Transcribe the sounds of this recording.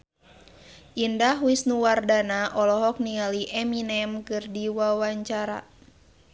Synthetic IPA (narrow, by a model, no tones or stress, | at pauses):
ʔindaɦwisnuwardanaʔɔlɔɦɔk̚nialiʔɛminɛmkɨrdiwawaɲt͡ʃaɾa̰